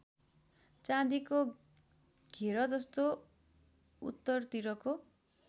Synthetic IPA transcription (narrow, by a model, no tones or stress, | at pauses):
t͡sãd̪iko | ɡʱeɾʌd͡zʌst̪o | ṵt̪ːʌrt̪iɾʌko